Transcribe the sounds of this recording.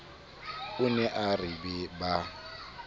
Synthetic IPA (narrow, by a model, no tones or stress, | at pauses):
ʊnɛʔaribɛba